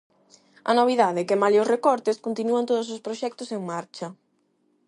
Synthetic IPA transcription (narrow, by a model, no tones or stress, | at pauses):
ɐ̰noβ̞iðaðɪkɪmalosrekɔɾt̪ɪskont̪inuɐnt̪oðʊs̬ospɾoʃɛk̚t̪ʊseŋmaɾt͡ʃɐ